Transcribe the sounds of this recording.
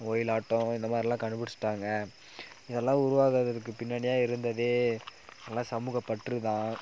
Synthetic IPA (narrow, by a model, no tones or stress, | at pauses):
oːjɪlaːʈːɔ̃ɪnd̪ɐmaːðɾɪlãːkɐɳɖɯpɪɽɪt͡ʃːɯ̥ʈːaːŋɡɐ | ɪðɛlːãːʊɾʊʋaːɣɯðɐðɯk̬ːɯpɪnːɐɳɪjaːɪɾɯnd̪ɐðeːɪðɛlːãːsɐmuːɣɐpːɐʈrɯt̪ãː